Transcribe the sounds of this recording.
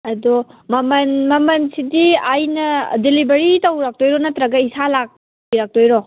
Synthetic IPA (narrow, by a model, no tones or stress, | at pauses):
ɐdɔmɐmɐnmɐmɐnsidiajnɐdelibɐɾitɐwɾak̚tojɾɔnɐtɾɐɡɐisalak̚ | biɾak̚tojɾo